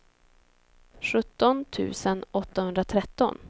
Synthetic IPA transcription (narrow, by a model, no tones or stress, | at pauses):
ɧɵt̪ːɔnt̪ʰʉ̟̰ːsənɔt̪ːahɵnd̪ɾat̪ʰɾɛt̪ːɔ̰n